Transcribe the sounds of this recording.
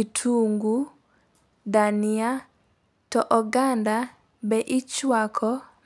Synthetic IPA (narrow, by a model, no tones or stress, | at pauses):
itʰuŋɡu | danɪa | tɔʔɔɡanda | bɛʔɪt͡ʃwakʰɔ